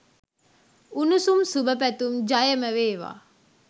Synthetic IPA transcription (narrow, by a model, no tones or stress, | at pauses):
unusumsubəpæt̪umd͡ʒajəməʋeːʋa̰ː